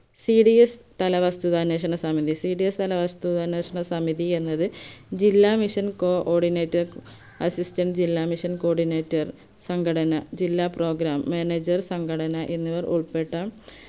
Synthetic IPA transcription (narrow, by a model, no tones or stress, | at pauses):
siɖiest̪ɐlɐʋɐst̪uðaːneːʂ̬ɐɳɐsɐmiðisiːɽiest̪ɐlɐʋɐst̪uðaːneːʂɐɳɐsɐmiðie̞nːɐðɨd͡ʑilːaːmiʂɐnkoːʔoːɖineːtːɐr | ɐsistɐɳɖd͡ʑilːaːmiʂɐnko̞ːɖineːtːɐr | sɐŋɡʰʱɐɽɐnɐd͡ʑilːaːpro̞ːɡɾaːmːeːneːd͡ʑɐrsɐŋɡʰɐɽɐnɐʔenːiʋɐruɭpe̞ʈːaːm